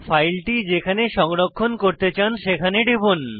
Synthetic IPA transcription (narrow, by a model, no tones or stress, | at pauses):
fʰajlʈid͡ʑekʰaneʃɔŋɾokʰːonkoɾt̪et͡ɕanʃekʰaneɖibun